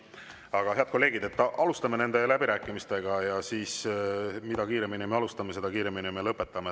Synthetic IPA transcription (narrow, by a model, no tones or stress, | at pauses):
ɑɡ̥ɑɦe̞ɑd̪ko̞lːe̞ːɡid̪e̞t̪ːʔɑlust̪ɑme̞ne̞nd̪e̞læbiɾæːkːˑimist̪e̞ɡ̥ɑjɑsiːsmid̪̥ɑkiːɾe̞minʲimeɑlust̪ɑmese̞d̪ɑkiːɾe̞minʲimelɤpːˑe̞t̪ːˑɑme